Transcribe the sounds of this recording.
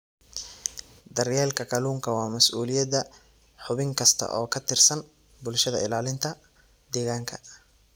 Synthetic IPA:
d̪ɐrjɛːlkʰɐqɑluːŋkʰɐwɑːmɐsʔuːlɪjɐdɐ | ħʊβɪŋkʰɐst̪ʰɐ̰ʔɔːkʰɐt̪ʰɪrsɐn | bʊlʃɐðɐ̰ɪlaːlɪnt̪ʰɐ | d̪ɛːɣaːŋkʰɐ̰

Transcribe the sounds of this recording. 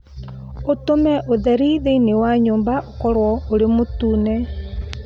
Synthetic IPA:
otomɛʔoðɛɾiðeinewaɲoːmbaʔokɔɾwɔoɾemotuːnɛ

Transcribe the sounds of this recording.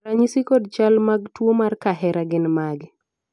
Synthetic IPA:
raɲisikodt͡ʃalmaɡtwomarkaɦɛɾaɡɪnmaɡ

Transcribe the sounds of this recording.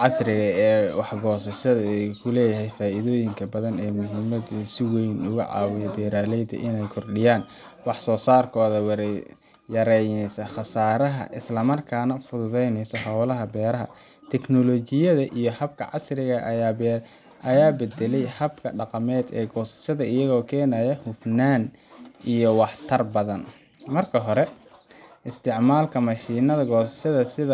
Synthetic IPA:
ʕɑsrɪɣɐɛːwɑħɡɔːsɐʃɐðɐɛkʰʊlɛːjɐɦɛjfaːʔɪðɔːjɪŋkʰɐbɐðɐnɛːmʊɦɪmɐd̪sɪwɛjnʊɣʊ̰ʕɑ̰ːwɪjɐbɛːɾaːlɛjd̪ɐ̰ʔɪnɛjkʰɔrɗɪjaːn | wɑħsɔːsaːrkʰɔːðɐw | jɐɾɛjnɛjsɐxɑsaːɾɐɦɐ̰ʔɪslɐmɐrkʰaːnɐfʊðʊðɛjnɛjsɔhɑwlɐɦɐbɛːɾɐɦɐ̰ | t̪ʰɛknɔlɔːt͡ʃɪjɐðɐʔijɞhɐb̚kʰɐʕɑsrɪɣɐʔ | ʔɐjaːbɛd̪ɛlɛjhɐbkʰɐ̰ɖɑqɑmɛːd̪ɛ̰ːɡɔːsɐ̥ʃɐðɐɪjɐɣɔːkʰɛːnaːjɛhʊfnaːn | ʔijɔwɑħt̪ʰɐrbɐðɐn | mɐrkʰɐɦɔɾɛ | ɪst̪ʰɪʕmaːlkʰɐmɐʃiːnɐðɐɡɔːsɐ̥ʃɐðɐsɪðɐ

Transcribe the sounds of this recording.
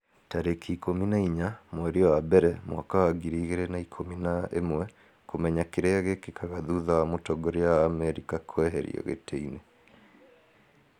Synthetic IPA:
taɾekʰikominaiɲamwɛɾeɔwabɛɾɛmwakawaɡiɾiɣeɾɛnaikʰominaḛmwɛ | komɛɲakeɾeaɣekekʰaɣaðuðawamotɔɡɔɾeaːmɛɾikakʰwɛɦɛɾḭɔ̰ɣḛtʰeine

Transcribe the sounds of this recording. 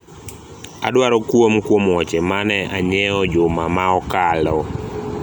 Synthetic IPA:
a̰dwaɾɔkwomkwomwɔt͡ʃemanɛʔaɲɛɔd͡ʒʊmamaɔkalɔ

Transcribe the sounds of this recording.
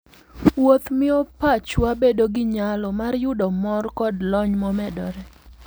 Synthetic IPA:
wot̪mɪopat͡ʃwabedoɡɪɲalɔmarjʊdɔmɔrkɔdlɔɲmɔmɛdɔ̰ɾɛ

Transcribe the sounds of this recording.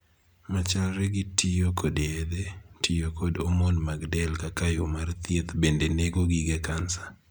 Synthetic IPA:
mat͡ʃalɾɛɡitijokoded̪etijokodomonmaɡdɛlkakajomart̪jet̪bendeneɡoɡiɡɛkansḁ

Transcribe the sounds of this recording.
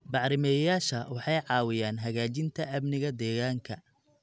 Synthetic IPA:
bɑʕɾɪmɛːjaːʃɐwɑħɑjʕɑːwɪjaːnɦɐɣaːt͡ʃɪnt̪ʰɐʔɐmnɪɣɐd̪ɛːɣaːŋkʰɐ

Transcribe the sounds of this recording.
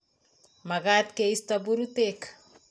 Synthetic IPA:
maɡat̪keistabuɾutek

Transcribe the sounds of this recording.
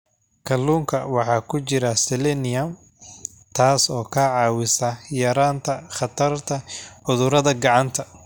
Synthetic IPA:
kʰɐluːŋkʰɐwɑħɑːkʰʊt͡ʃɪɾɐsɛlɛnɪɐm | t̪ʰaːsɔːkʰaːʕɑːwɪsɐjɐɾaːnt̪ʰɐχɑt̪ʰɐrt̪ʰɐʕʊðʊɾɐðɐɡɑʕɑnt̪ʰɐ

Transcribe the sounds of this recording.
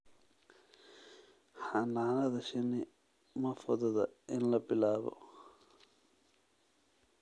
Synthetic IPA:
hanaːnɐd̪ɐʃini | mɐfɐd̪ɐd̪ɐenlɐpilaːbɐ̰

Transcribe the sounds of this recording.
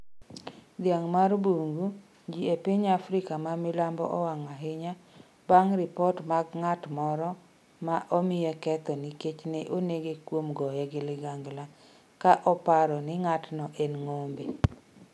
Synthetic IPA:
d̪jaŋmarbuŋɡu | d͡ʒiepiɲafɾɪkamamɪlambɔ̰ʔɔwaŋaɦɪɲa | baŋɾɪpɔtmaɡŋatmɔɾɔ | maʔomɪjɛkɛt̪ɔniket͡ʃnɪʔoneɡekwomɡɔjɛɡɪlɪɡaŋɡla | kaʔɔpaɾɔnɪŋatnɔʔenŋombe

